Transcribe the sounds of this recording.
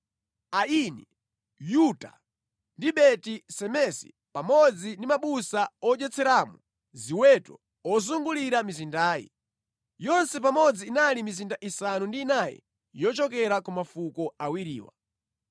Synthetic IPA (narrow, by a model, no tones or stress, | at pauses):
ainɛ | juta̰ | ndiɓɛtisɛmɛsḭ | pamɔd͡zindimaɓusaɔt͡ʃɛt͡sʰɛɾaːmu | ziwɛtɔ̰ | ɔzuŋɡuliɾamizindaːjḭ | jɔnsɛpamɔd͡ziːnalimizindaʔisanundiːnajɛ̰ | jɔt͡ʃɔkɛɾakumafukɔawiɾḭːwa̰